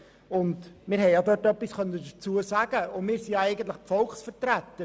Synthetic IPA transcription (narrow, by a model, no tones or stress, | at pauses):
ʊndmɪːɾɦɛɪjjɑdøːtœpːisχœnːədət͡suəsæɡ̥əʊmɪːɾsijɑɛɪɡən̩t̪lɪχfɔlˠksfəɾtɾæt̪ə